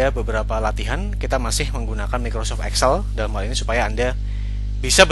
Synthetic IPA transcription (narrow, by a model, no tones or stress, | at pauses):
abəbəɾapalat̪iɦankit̪amasɪhməŋɡunakanmikɾosɔft̪ɛ̰ksəldalamɦalinisu̥pajaːnda | bisab